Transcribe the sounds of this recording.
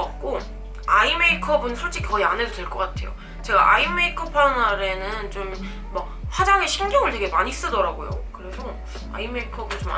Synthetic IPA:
ʌk͈o | aimeikʰʌbɯnsʰoɭt͡ɕ͈ʰikʰkʌiane̞dotwe̞ɭk͈ʌk͈atʰe̞̰jo̰ | t͡ɕe̞ɡa̰ʔaimeikʰɯpʰanaɾe̞nɯnt͡ɕom | mak̚ | ɸwad͡ʑaŋe̞ɕʰiŋɡjʌŋɯɭte̞ɡe̞maɲiːs͈ɯdʌɾaɡojo̰kɯɾe̞sʰʌ | a̰imeikʰʌbɯnt͡ɕoma̰

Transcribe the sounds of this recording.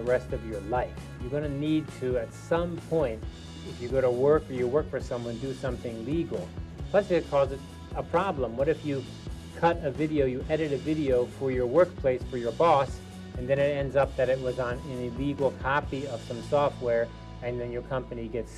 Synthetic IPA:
əɹɛstʌvjə˞laɪf | jɨɡʌnɨnid̚tʰɨɨtsʌ̃mpʰɔ̃ɪ̃nt | ɨfjɨɡoʊɾəwɜ˞kə˞jəwɜ˞kfə˞sʌ̃mwʌ̃ndɨsʌ̃mθɪ̃ŋliɡl̩ˠʰl̥ɛsɨɨkʰɔzɨɾ | əpʰɹ̥ɑblə̃mwʌɾɨfjɨ | kʰʌɾɨvɪɾioʊjɨʔɛɾɨɾɨvɪɾioʊfə˞jə˞wɜ˞k̚pʰl̥eɪsfə˞jə˞bɔs | ɨ̃nðɨ̃ñɨɾɛ̃ndzʌp̚ðɨɾɨt̚wʌzn̩ɨ̃niliɡl̩ˠkʰɑpiʌv̥sʌ̃msɔft̚wɛɹ | ɨ̃nðɨ̃njə˞kʰʌ̃mpɨniɡɛts

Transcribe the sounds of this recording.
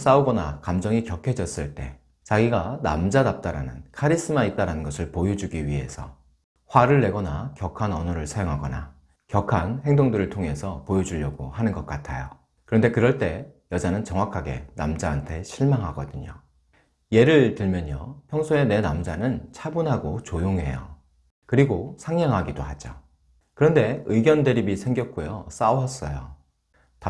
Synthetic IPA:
s͈auɡʌnakamd͡ʑʌŋikjʌkʰed͡ʑʌs͈ɯɭt͈e̞ | t͡ɕaɡiɡana̰md͡ʑanap̚t͈aɾanɯnkʰaɾis͈ɯmait͈aɾanɯnɡʌsʰɯɭpojud͡ʑuɡiɥiɦe̞̰sʰʌ̰ | ɸwaɾɯɭːe̞ɡʌnakjʌkʰanʌnuɾɯɭsʰajoŋɦaɡʌna | kjʌkʰanhe̞ŋdoŋdɯɾɯɭtʰoŋe̞sʰʌpojud͡ʑuʎːʌɡohanɯnɡʌk̚k͈atʰajo | kɯɾʌnde̞kɯɾʌɭt͈e̞jʌd͡ʑanɯnt͡ɕʌŋwakʰaɡe̞̰namd͡ʑaːntʰe̞ɕʰiɭmaŋɦaɡʌdɯɲo̰ | je̞ɾɯɭtɯɭmjʌɲopʰjʌŋsʰoe̞ne̞namd͡ʑanɯnt͡ɕʰabunɦaɡot͡ɕojoŋɦe̞̰jo̰ | kɯɾiɡosʰaŋaŋɦaɡidohad͡ʑo | kɯɾʌnde̞ɯiɡjʌnde̞ɾibisʰe̞ŋɡjʌk̚k͈ojos͈awʌs͈ʌjo | ta

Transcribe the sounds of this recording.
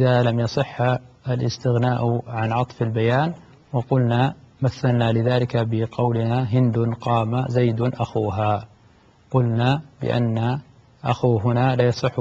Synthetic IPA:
ʔɪðaːlamjɑsˤɨħːalʔɪ̰st̪ɪɣnaːʔʕanʕɑt̪ˤfalbajaːn | wɑqʊlnamaθːalnalɪðaːlɪkabɪqɑwlɪnaɦɪnd̪ʊnqɑːmazajd̪ʔaxuːɦaː | qʊlnabɪ̰ʔa̰nːa | ʔa̰xuːɦʊnaːlaːjɑsˤɨħː

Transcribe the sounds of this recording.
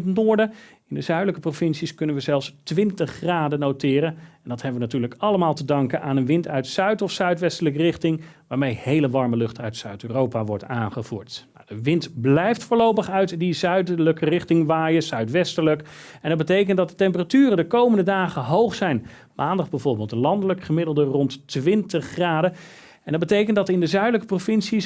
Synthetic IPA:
tnʊːɹdə | ɪndəzœɥdələkəprofɪnsiskɵnənʋəzɛlˠfstʋɪntəχːraːdənowtɪːɾənɛndɑthɛbəʋənatyːɹləkɑləmaːlˠtədɑŋkənʔaːnənʋɪntœɥtsœɥtɔfsœɥtʋɛstələkərɪχtɪŋʋaːɹmejhejləʋɑɹməlɵχtœɥtsœɥtyːrowpaʋɔɹtaːnχəv̥ṵːɹtma̰dəʋɪntblɛjftfʊːɹlowpəχœɥtdizœɥdələkərɪχtɪŋʋaːjəsœɥtʋɛstəɹlək | ɛndɑd̚bətejkəntdɑtdətɛmpəratyːrəndəkowməndədaːχəɦowχsɛjn | mʔaːndəχbɛjvʊɹbeːlˠtəlɑndələkχəmɪdəl̩ˠdərɔntʋɪntəχːraːdə | ɛndɑd̚bətejkəntdɑtɪndəzœɥdələkə̥profɪnsi

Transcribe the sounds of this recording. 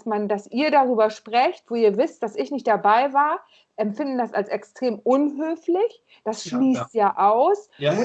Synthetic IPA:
smandasʔiːɐɾaʁyːbɐʃpʁ̥ɛçtv̥oːiːɐvɪst̚d̥asɪçnɪçt̚d̥abaɪvaːɐ | ʔɛmfɪndn̩dasa̰lsɛkstʁ̥eːmʔʊnɦøːflɪç | d̥asʃliːstjaːʔaʊs

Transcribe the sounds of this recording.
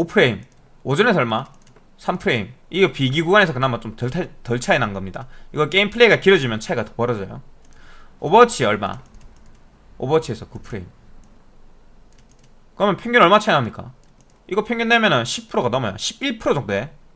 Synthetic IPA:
opʰɯɾe̞im | od͡ʑʌne̞sʰʌʌɭma | sʰampʰɯɾe̞im | iɡʌpiɡiɡuɡwane̞sʰʌkɯnamat͡ɕomtʌatʌɭt͡ɕʰainanɡʌmɲida̰iɡʌk͈e̞impʰɯɭe̞iɡakiɾʌd͡ʑimjʌnt͡ɕʰaeɡatʌ̥pʌɾʌd͡ʑʌjo̰ | obʌt͡ɕʰiʌɭma̰ | obʌt͡ɕʰie̞sʰʌkupʰɯɾe̞im | kɯɾʌjʌnpʰjʌŋɡjʌnʌɭmat͡ɕʰainɦamɲik͈a̰ | iɡʌpʰjʌŋɡjʌnːemjʌnɯnɕʰipʰɯɾoɡanʌmʌjo̰ɕʰibiɭpʰɯɾod͡ʑok̚t͈oee

